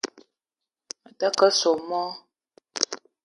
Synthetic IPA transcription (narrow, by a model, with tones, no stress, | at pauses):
mə˨tə˦kə˦so˨mɔ˦